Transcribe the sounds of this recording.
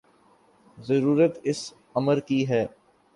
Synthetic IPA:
zəɾuːɾət̪ɪs | ɐməɾkiɦɛː

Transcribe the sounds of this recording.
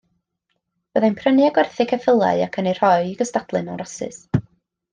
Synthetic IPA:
b̥əðajnpʰrənjaɡwɛrθɪkʰəfəlˠa̰ɨakʰəner̥ɔɨiɡəstadlˠɨnɔɾɔsɨ̰s

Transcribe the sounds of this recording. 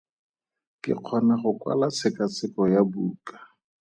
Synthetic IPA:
kɪ̰q͡χʰɔnaχʊkwa̰lat͡sʰɪkat͡sɪkɔjabuːkḁ

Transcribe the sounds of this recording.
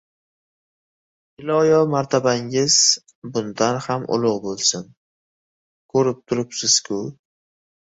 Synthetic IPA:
ɪlɒjɒmaɾt̪ʰabaŋɪz̥ | bʊnd̪anhamʔʊ̰lˠʊʁbolˠsɪn | kʰɵɾɪp̚t̪ʰʊɾɪpsɪz̥kʲʰʊ

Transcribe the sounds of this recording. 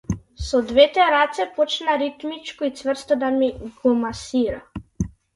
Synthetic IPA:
sɔd̪vɛt̪ɛɾat̪sɛpɔt͡ʃnaɾit̪mit͡ʃkɔit̪svr̩st̪ɔd̪amiɡɔmasiɾa

